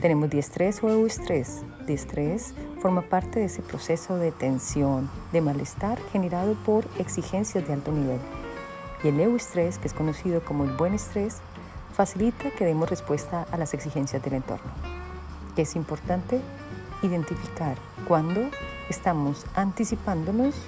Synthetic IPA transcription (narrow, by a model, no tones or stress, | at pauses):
t̪e̞ne̞mo̞zd̪iest̪ɾe̞soewest̪ɾes | d̪jest̪ɾesfo̞ɾmapaɾt̪e̞ðeesepɾo̞se̞so̞ðet̪e̞nsjo̞nd̪e̞malest̪aɾxe̞ne̞ɾaðo̞po̞ɾe̞ksixe̞nsjazd̪e̞alt̪o̞niβe̞l | ie̞lewest̪ɾe̞skeesko̞no̞siðo̞ko̞moelbwe̞ne̞st̪ɾe̞s | fasilit̪ake̞ð̞emosre̞spwe̞st̪aʔalase̞ksixe̞nsjazd̪e̞le̞nt̪o̞̰ɾno̞ | kesimpo̞ɾt̪ant̪e̞ | iðe̞nt̪ifikaɾ | kwand̪o̞ | est̪amo̞sant̪isipand̪o̞no̞s